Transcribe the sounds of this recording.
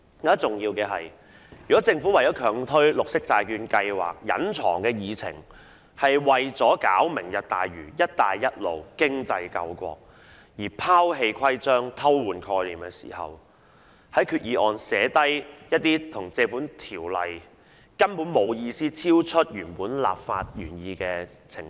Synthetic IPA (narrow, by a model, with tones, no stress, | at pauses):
jɔ˨˥d̪ɐ˥t͡sʊ˨ŋjiː˧wkɛː˧ɦɐ̰˨j | jyː˨˩kɔ˨˥t͡sɪ˧ŋfuː˨˥wɐ˨˩jɔː˨˥wkʰœː˨˩ŋt̪ʰɵ˥ɥlʊ˨k̚sɪ˥k̚t͡saː˧jkyː˧nkɐ˧jwa̰ː˨k̚jɐ̰˨˥nt͡sʰɔ̰ː˨˩ŋkɛː˧jiː˨˧t͡sʰɪ̰˨˩ŋ | hɐ˨jwɐ˨jt͡sɔː˨˥kaː˨˥wmɪ˨˩ŋjɐ˨t̚t̪a̰ː˨jɥyː˨˩jɐ˥t̚t̪aː˨jːɐ˥t̚lo̰˨wkɪ˥ŋt͡sɐ˧jkɐ̰˧wkʷɔ̰ː˧k̚ | jiː˨˩pʰaː˥wɦe˧jkʰɐ˥jt͡sœː˥ŋt̪ʰɐ˥wwuː˨nkʰɔː˧jliː˨˩mkɛː˧sḭː˨˩hɐ̰˨w | hɐ˨˥jkʰyː˨˧t̚jiː˨˧ʔɔː˨nsɛː˨˥t̪ɐ˥jjɐ˥t̚t̪iː˥t̪ʰʊ˨˩ŋt͡sɛː˧fuː˨˥nt̪ʰiː˨˩wlɐ̰˨j | kɐ˥npu˨˥nmo˨˧wjiː˧siː˥t͡sʰiː˥wt͡ʃʰɵ˥t̚jyː˨˩npuː˨˥nla̰ː˨p̚faː˧t̚jyː˨˩njiː˧kɛː˧ | t͡sʰɪ˨˩ŋ